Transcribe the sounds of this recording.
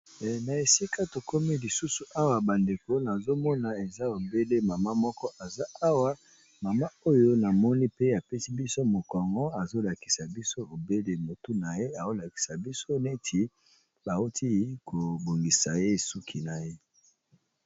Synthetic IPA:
na˨e˨si˦ka˦to˨ko˦mi˦li˨su˦su˨ʔa˦wa˨ba˨nde˨ko˦na˨zo˦mɔ˦na˨e˨za˦o˨be˦le˦ma˨ma˦mɔ˦kɔ˦ʔa˨za˦a˦wa˦ | ma˨ma˦o˦jo˦na˨mɔ˦ni˦pe˦a˨pɛ˦si˦bi˦so˦mo˨kɔ˨ŋɡɔ˦a˨zo˦la˨ki̥˨sa˨bi˦so˦o˨be˦le˨mo˨tu˦na˨je˦a˨o˦la˨ki̥˨sa˨bi˦so˦ne˦tʰi˨ | ba˨o˦tʰi˦ko˨bo˨ŋɡi˨sa˨je˦su˦kʰi˨na˨je˦

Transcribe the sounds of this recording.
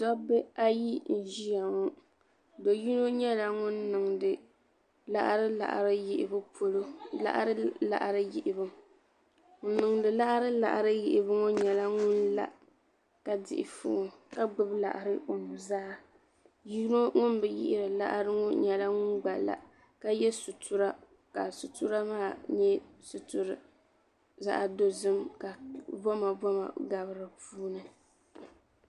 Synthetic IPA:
dɔ˦bɛ˦a˦ji˦n̩˨ʒi˦ja˨ŋɔ˦ | do˨ji˦no˦ɲɛ˦la˨ŋʊ˦nːɨ˨ŋ˨dɨ˨ | la̰˦ʔɾɨ˦la̰˨ʔɾɨ˦ji˨ʔɪ˨bɨ˦pʰo˨lo˦la̰˦ʔa̰˦ɾɨ˦la̰˨ʔɾɨ˦jɪ˨ʔɪ˨bɨ˦m | ŋ̩˦nɨ˨ŋdɨ˨la˦ʔɾɨ˦la̰˨ʔa˨ɾɨ˦jɪ˨ʔɪ˨bɨ˦ŋo˦ɲɛ˨la˦ŋʊ˦nla̰˨ | ka˦dɪ̰˨ʔɪ̰˨fʊ̰˦ʔʊ˨ka˦ɡ͡bɨ˨bla̰˨ʔa˨ɾɨ˦ʔʊ˨m˨bu˨zaː˦ | ji˦no˦ŋʊ˦nbɨ˨jɪ̰˦ʔɪ˦ɾɨ˨la̰˦ʔɾɨ˦ŋɔ˦ɲɛ˨la˦ŋʊ˦nɡ͡ba˨la̰˨ | ka˦jɛ˦su˨tʊ˦ɾa˦ | ka˨sʊ˨tu˦ɾa˦maː˦˨ɲɛ˦sʊ˨tʊ˨ɾɨ˨ | za̰˦ʔa˨do˦zɨ˦mka˨bɔ˦ma˨bɔ˦ma̰˨ɡa˨βɨ˦ɾɨ˨puː˦nɨ˨

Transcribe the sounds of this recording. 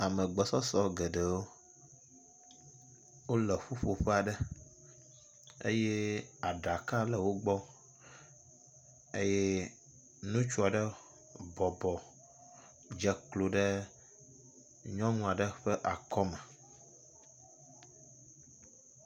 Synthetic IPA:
a˨mɛ̃˨ɡ͡bɔ˨sɔ˦sɔ˦ɡɛ˨ɖɛ˨wo˦ | wo˦lɛ˨ɸu˦ɸo˨ɸɛ˦a˨ɖɛ˦ | ḛ˦je˦a˨ɖa˨ka˦lɛ˨wo˦ɡ͡bɔ˦ | e˦je˦ | nũ˦t͡ʃu˦a˨ɖə˦ | bɔ˨bɔ˨ | d͡ʒɛ˨klo˨ɖɛ˦ | ɲɔ̃˦nũ˦a˨ɖə˦ɸɛ˦ʔa˨kɔ˦mɛ̃˨

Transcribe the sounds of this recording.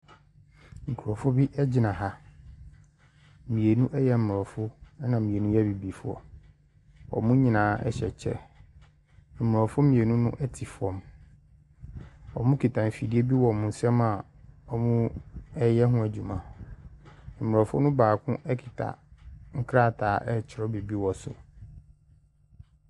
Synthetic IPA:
ŋ̩˨kʰu˨ɾɔ˨fʊ˦bi˦ʔɛ˦d͡ʑɪ˨˦nã˨ɦa˦˨ | mĩ˨e˨nũ˦ʔɛ˦jɛ˦m̩˨mʊ˨ɔ˨fʊ˦nã˨mĩ˨e˨nũ˦jɛ˦bi˨bi˨fʊ˦ɔ̰˨ | ɔ̰˨mũ˦ɲĩ˨nãː˨˦ɛ̰˦ɕɛ˨t͡ɕʰɛ̰˦ | m̩˨mʊ˨ɔ˨fʊ˦mĩ˨e˨nũ˦nʊ̰̃˦ʔɛ˦tʰɪ˨fɔ̃˦m | ɔ̰˨mũ˦kʰi˨tʰa˨m̩˨fi˨dɪ˦e˦bi˦wɔ˨mʊ̃˨n̩˨sɛ˦ma˨ | ɔ˨mũ˦ɛ˦jɛ˦ɦʊ̃˦æ˨d͡ʑu˨mã˨ | m̩˨m˨ɔ˨fʊ̰˦nʊ̃˦baː˨kʰʊ̃˦ʔɛ˦kʰi̥˨tʰa̰˨ŋ̩˦kʰɾa˦˨tʰaː˨˦ʔɛ˦t͡ɕʰɪ˨ɾɔ˦bi˨bi˦wɔ˨sʊ̰˨

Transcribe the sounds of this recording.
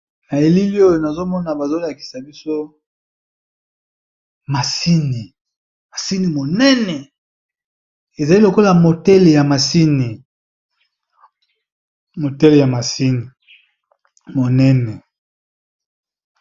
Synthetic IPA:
na˨e˨li˦li˦o˦jo˨na˨zo˦mɔ˦na˨ba˨zo˦la˨ki̥˨sa˨bi˦so˦ | ma˨si˦ni˨ | ma˨si˦ni˨mo˨nɛ˦nɛ˨ | e˨za˨li˦lo˨ko˦la˨mo˨tɛ˦le˨ja˨ma˨si˦ni˨ | mo˨tɛ˦le˨ja˨ma˨si˦ni˨ | mo˨nɛ˦nɛ˨

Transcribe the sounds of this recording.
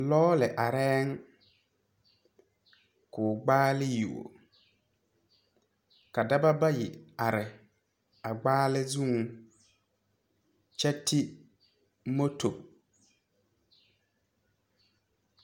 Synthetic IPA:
lɔː˦lɪ˨ʔa˨ɾɛː˦ŋ | kʊː˨ɡ͡baː˦lɪ˦ju˨o̰˨ | ka˨da˦ba˦ba˦jɪ˨a˨ɾɪ˨ | a˨ɡ͡baː˦lɪ˦zu˦ŋ˨ | t͡ʃɛ˦tʰɪ˦ | mo˦tʰo˨

